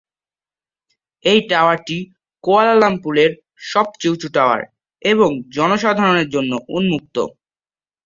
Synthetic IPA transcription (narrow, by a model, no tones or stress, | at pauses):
ejʈaoaɾʈi | koalalampuleɾ | ʃɔb̚t͡ɕewt͡ɕuʈaoa̰ɾ | eβoŋd͡ʑɔnoʃad̪ʱaɾoneɾd͡ʑonːoʔunmuk̚t̪o̰